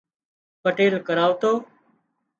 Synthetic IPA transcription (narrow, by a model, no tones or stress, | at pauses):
pəʈeːlkəɾaːʋt̪oː